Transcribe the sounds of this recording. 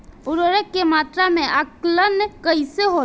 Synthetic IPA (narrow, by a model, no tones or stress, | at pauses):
ʊɾəɾəkːemaːt̪ɾamẽʔəklənkəɪseɦo